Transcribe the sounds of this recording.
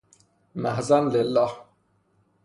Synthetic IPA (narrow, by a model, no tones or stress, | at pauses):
mæhzænlelːɑːh